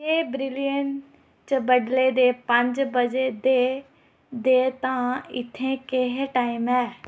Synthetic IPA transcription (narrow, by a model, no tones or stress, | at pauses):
eːbɾɪlijəɳ | t͡ʃəbəɖled̪eːpə̃ɲd͡ʒbəd͡ʒed̪e | d̪eːt̪ãːɪt̪ʰẽkeɦʈaːɪmɛː